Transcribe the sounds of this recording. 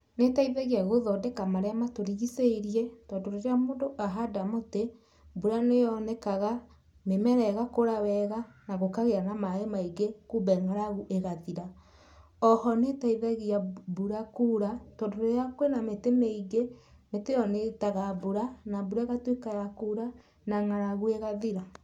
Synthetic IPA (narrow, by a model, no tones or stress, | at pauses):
netaiðaɣeaɣoðɔdɛkamaɾɛamatoɾiɣiseiɾiɛtɔdoɾoɾeamoːdoʔaɦadamote | buɾanejɔnɛkaɣa | memɛɾɛɣakoɾawɛɣa | naɣokaɣeɾanamaemaiɡekubɛŋaɾaɣuʔeɣaðiɾa | ɔhɔnetaiðɛɣiabuɾakuɾatodoɾejakwenametemeiɡe | metejɔnetaɣabuɾanabuɾaɣatwekajakuɾa | naŋaɾaɣueɣaðiɾa